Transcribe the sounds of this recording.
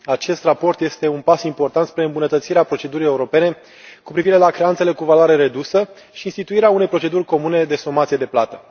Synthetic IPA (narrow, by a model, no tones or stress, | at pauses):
at͡ʃe̞st̪rapo̞rt̪je̞st̪e̞unpasimpo̞rt̪ant̪spɾe̞ɨmbunət̪ət̪siɾeapɾo̞t͡ʃe̞d̪uɾije̞uɾo̞pe̞ne̞ | kupɾiviɾe̞lakɾe̞ant̪se̞le̞kuvaloaɾe̞ɾe̞d̪usə | ʃiːnst̪it̪uiɾeaune̞jpɾo̞t͡ʃe̞d̪urʲko̞mune̞d̪e̞so̞mat̪sije̞d̪e̞plat̪ə